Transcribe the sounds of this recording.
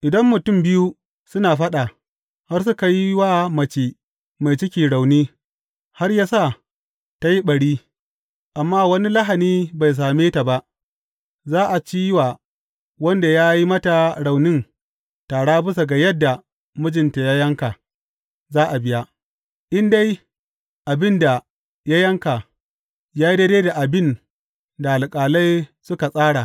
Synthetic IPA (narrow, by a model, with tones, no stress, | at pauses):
ʔɪ˨dɐ˦mːʊ˨tʊ˦˨mbɪ˦juː˦ | sʊ˦naː˨ɸɐ˦ɗa˨ | ha˦rs̬ʊ˦ka˨ji˦waː˦mɐ˨t͡ʃeː˨ | ma˨jt͡ʃɪ˦kʲiː˨ɽa˨wniː˦ | ha˦rjaː˦sa˦˨ | ta˦ji˦ɓɐ˨ɽiː˦ | ʔa˨mːaː˦wɐ˦ni˦lɐ˦ɦa˨niː˦ba˨js̬aː˨meː˦ta˨ba˦ʔ | zaː˦ʔa˨t͡ʃiː˦wa˨ | wɐ˦nda˨jaː˦ji˦mɐ˦ta˨ɽa˨wnɪ˦n | taː˨ɽaː˦bʊ˦sa˨ɡa˨jɐ˦dːa˨ | mʊ˦d͡ʒɪ˨nta˨ja˦jɐ˦ŋkaː˨ | zaː˦ʔa˨bɪ˦ja˦ | ʔɪ˦nda˦j | ʔa˨bɪ˦nda˨ | ja˦jɐ˦ŋka˨ | jaː˦ji˦dɐ˦deː˦da˨ʔa˨bɪ˦n | da˨ʔa˨lkʼaː˨la˦jsʊ˦ka˨sʼaː˦ɽa˨